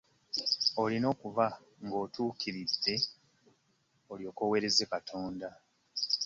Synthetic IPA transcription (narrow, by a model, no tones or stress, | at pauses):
o̞lino̞ːkuva | ŋɡo̞ːtuːkiɾidːe̞ | oljo̞ːkowe̞ɾe̞zekatʰo̞ːnda